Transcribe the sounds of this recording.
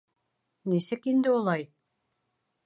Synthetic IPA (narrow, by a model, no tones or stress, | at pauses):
nisɘkind̪ɘulˠɑj